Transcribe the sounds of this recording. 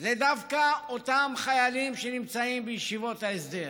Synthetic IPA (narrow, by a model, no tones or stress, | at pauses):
led̪avkaot̪amχajalimʃenimt͡saimbəjiʃivot̪haesd̪eɾ